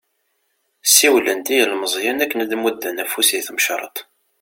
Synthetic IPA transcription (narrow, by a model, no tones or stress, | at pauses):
sːiwlənt̪ijəlməzˤjænækːənəd̪mud̪ːænæfusiθəmʃɾˤə̰t̪ˤ